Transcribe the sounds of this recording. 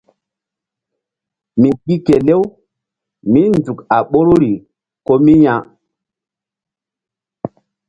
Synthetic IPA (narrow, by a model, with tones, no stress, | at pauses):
mi˨ki˦ke˨le˦w | mi˦ndu˨ka˨ɓo˦ɾɾi˨ | ko˦mi˦ja˦